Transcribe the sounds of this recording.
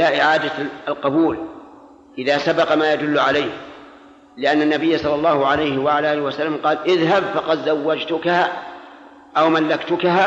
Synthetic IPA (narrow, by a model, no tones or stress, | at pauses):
laʔɪʕaːd̪aalqɑbuːl | ʔɪðaːsabɑqmaːjad̪ʊlːʊʕalajh | lɪʔanːanːabɪjːasˤɑlːɑlːɑːhʊʕalajhɪwaʕalaʔaːlɪhwasalːamqɑːlʔɪðɦabfɑqɑd̪zawːad͡ʒt̪ʊkaha | ʔawmalːakt̪ʊkaɦaː